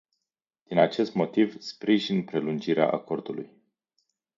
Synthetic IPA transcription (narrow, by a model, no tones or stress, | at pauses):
d̪̥inat͡ʃe̞st̪mo̞t̪ivspɾiʒinpɾe̞lund͡ʒiɾea̰ʔa̰ko̞rd̪uluj